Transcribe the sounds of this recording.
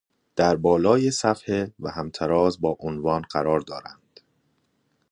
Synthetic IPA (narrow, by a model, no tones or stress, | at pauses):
d̪̥æɾbɒːlɒːjesæfhevæhæmt̪ʰæɾɒːzbɒːʔonvɒːnɢæɾɒːɾd̪ɒːɾænd̪̥